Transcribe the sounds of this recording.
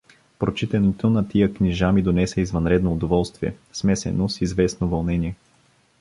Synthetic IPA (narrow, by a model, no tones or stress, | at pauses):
pɾot͡ʃit̪ɛnit̪ʰonɐt̪ijəkniʒamid̪onɛsɛizvɐnɾɛd̪noːd̪ovɔlˠst̪viɛ̰smɛsɛ̰nosizvɛsnovɐlˠnɛniɛ